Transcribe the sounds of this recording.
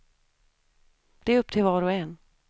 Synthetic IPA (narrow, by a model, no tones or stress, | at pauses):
d̪̥ɛæɾɵpːt̪ʰɪlvɑːɾɔɛnː